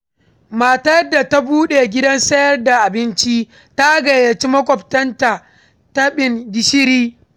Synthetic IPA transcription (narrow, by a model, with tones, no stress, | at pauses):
ma˨ta˦jdːa˨ta˦buː˦ɗeː˨ɡʲɪ˦dɐ˦nsɐ˦jɐ˦rda˨ʔa˨bɪ˦nt͡ʃi˦ | ta˦ɡɐ˨jɐ˨t͡ʃi˦mɐ˦kʷʼɔ˨ptɐ˦nta˨ | ta˦ɓɪ˨ndɪ˦ʃɪ˦ɾiː˦